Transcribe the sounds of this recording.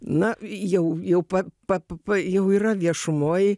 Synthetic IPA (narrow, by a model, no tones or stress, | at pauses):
nɐjɛʊjɛʊpɐpɐpɐpɐjɛʊiːɾɐʋʲiɛʃʊmoːj